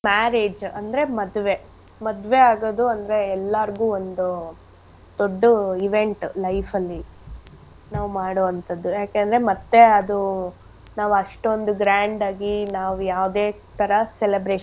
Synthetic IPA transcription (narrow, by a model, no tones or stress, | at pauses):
maːɾeːd͡ʒɐnd̪ɐɾe̞mɐd̪ʋe̞ | mɐd̪ʋe̞aːɡoːd̪uɐnd̪ɐɾe̞ɛlːɐɾɡuːond̪u | d̪oɖːuiʋe̞ɳʈlɐjfʰɐlːi | naːʋumaːɽoːʋɐnt̪ɐd̪ːujaːkeːnd̪ɐɾemɐt̪ːe̞ɐd̪u | naːʋɐʂʈo̞nd̪uɡɾaːɳɖaːɡinaːʋujaːʋd̪eː | t̪ʰɐɾɐselebɾeː